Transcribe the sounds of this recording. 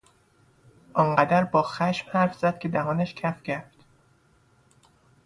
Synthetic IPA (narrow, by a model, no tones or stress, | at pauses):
ʔɒŋɢæd̪æɾbɒːxæʃmhæɾfz̥æd̪̚kʲʰe̞d̪æɦɒːnæʃcʰæfcʰæɾfd̪̥